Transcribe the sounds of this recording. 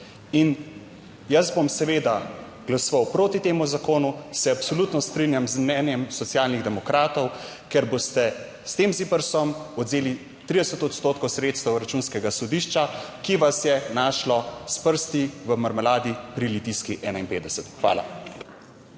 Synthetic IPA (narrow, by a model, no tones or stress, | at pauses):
in | jazbomsɛʋeːd̪a | ɡ̥lasɔʋawpɾoːt̪it̪eːmuzakoːnusɛapsɔlut̪nɔst̪ɾinjamzmnɛːnjɛmsɔt̪sjalniɣd̪ɛmɔkɾaːt̪ɔw | kɛɾbost̪ɛ | st̪eːmzipəɾsɔmɔd̪zeːli | t̪ɾid̪ɛsət̪ɔt̪st̪oːt̪kɔwsɾeːt̪st̪ɛwɾat͡ʃuːnskɛɡasɔd̪iʃt͡ʃakiʋasjɛnaːʃlɔspəɾst̪iʋəmɐɾmɛlaːd̪ipɾilit̪iskiʔɛːnainpeːd̪ɛsɛt̪xʋa̰ːla̰